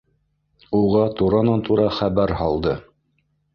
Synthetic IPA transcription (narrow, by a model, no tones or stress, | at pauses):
uʁɑt̪uɾɑnɑnt̪uɾɑχæβæɾhɑlˠd̪ɤ